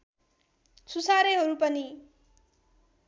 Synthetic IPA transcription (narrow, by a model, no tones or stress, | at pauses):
susaɾeɦʌɾupʌni